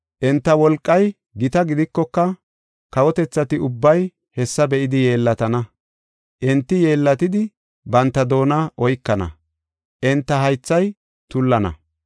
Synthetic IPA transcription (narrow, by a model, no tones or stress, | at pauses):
ʔɛnt̪ːɐwɔlkʼːɐj | ɡɪt̪ɐɡɪd̪ɪkːɔkːɐ | kɐwɔt̪ɛt͡sːɐt̪ɪʊbːɐj | hɛsːɐbɛʔɪd̪ɪjeːlːɐt̪ɐnɐ | ʔɛnt̪ːɪje̞ːlːɐt̪ɪd̪ɪ | bɐnt̪ːɐd̪o̞ːnɐʔɔjkːɐnɐ̰ | ʔɛnt̪ːɐɦɐjt͡sːɐj | t̪ʊlːɐnɐ̰